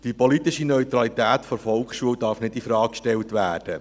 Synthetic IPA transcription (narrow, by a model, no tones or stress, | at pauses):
d̥ipɔlit̪ɪʃinœʏt̪ɾɑlit̪æːt̪fɔɾfɔlkχʃuəwdɑɾfnɪtifɾɑːkkʃtɛltʋæːrd̥ə